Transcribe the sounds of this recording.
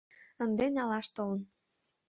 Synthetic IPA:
ə̆nd̪enʲɑlɑʃt̪olən

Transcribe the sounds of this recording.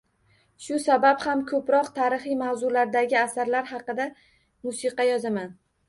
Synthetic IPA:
ʃʊsabaphamkʰɵpɾɒqt̪ʰaɾɪχɨjmawzʊlaɾd̪aɡʲɪasaɾlaɾhɑqɨd̪a | mʊsiqɑjɒzaman

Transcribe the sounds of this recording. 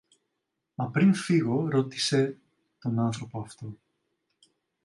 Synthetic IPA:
mɐpɾinfiɣo̞ɾo̞t̪i̥se̞ | t̪o̞nɐnθɾo̞poɐft̪o̞

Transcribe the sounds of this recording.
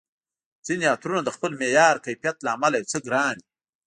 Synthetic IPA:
z̥iniɑt̪ɾunad̪əxpəlmejɑːɾkajpijat̪laːmalajat͡səɡɾɑːni

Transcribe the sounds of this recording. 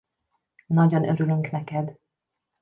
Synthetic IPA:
nɒɟonʔøɾylyŋknɛkɛd̪

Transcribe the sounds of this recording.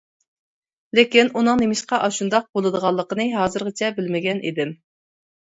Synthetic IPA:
lɪkʲinunɨŋnemɪʃqɑʔɑʃund̪ɑq̚bolˠɨd̪əʁɑlˠːəqənɨɦɑːzɨɾʁət͡ʃʰɛbɪlmɪɡʲɛnʔḭd̪ɪm

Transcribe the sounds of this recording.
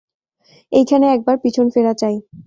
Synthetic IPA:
ejkʰaneɛk̚baɾpit͡ɕʰonfeɾat͡ɕaj

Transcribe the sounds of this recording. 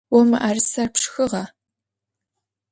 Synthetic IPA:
wɔmɨ̰ʔarɨsɐrpʂxɨʁɑ

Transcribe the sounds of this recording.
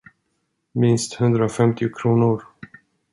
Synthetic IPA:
mɪnst̪hɵnd̪ɾaɔfɛmt̪ɪʊkʰɾuːnʊɾ

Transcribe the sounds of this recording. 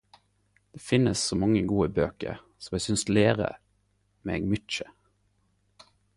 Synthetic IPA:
d̪̥eːfɪnəssoːmɑŋːəɡuːəbøːkə̰ɾ | sɔmɛsʏnsleːʁə̰ | meeːɡmʏt̪t͡ʃə

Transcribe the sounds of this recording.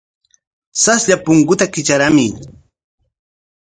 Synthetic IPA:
sasʎapʊŋkʊt̪akɪt͡ʃaɾamɪ

